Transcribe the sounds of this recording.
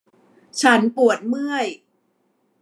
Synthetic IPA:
t͡ɕʰa˦˥npu˨˩ət̪̚mɯ˥˩əj

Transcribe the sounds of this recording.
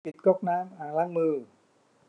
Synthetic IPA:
i˨˩t̪̚kɔ˥˩k̚naː˦˥mʔaː˨˩laː˦˥˩ŋmɯː˧˩

